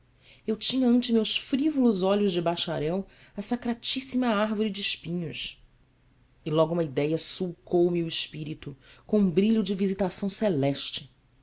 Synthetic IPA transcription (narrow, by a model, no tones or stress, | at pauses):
ewt͡ʃĩɲɐɐ̃nt͡ʃɪmewsfɾivolʊzɔʎʊzd͡ʒɪbaʃaɾɛw | ɐsakɾat͡ʃisimɐaɾvoɾid͡ʒɪɪʃpĩɲʊs | ɪlɔɡuũmɐid̪ɛjɐsuwkʰowmiʊɪʃpiɾit̪ʊkõũbɾiʎʊd͡ʒɪvizit̪asɐ̃w̃selɛʃt͡ʃɪ̥